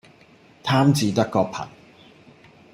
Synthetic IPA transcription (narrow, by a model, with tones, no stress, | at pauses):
t̪ʰaː˥mt͡siː˨˧t̪ɐ˥kːɔː˧pʰɐ̰˨˩n